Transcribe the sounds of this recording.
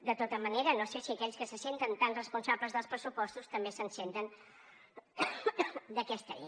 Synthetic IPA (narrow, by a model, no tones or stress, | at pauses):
d̪ət̪ot̪əməneɾənosesiəkɛʎʲskəsəsent̪ənt̪anrəspunsaβləzðəlˠspɾəsupɔst̪ust̪əmbesənsent̪ən | d̪əkɛst̪ə̰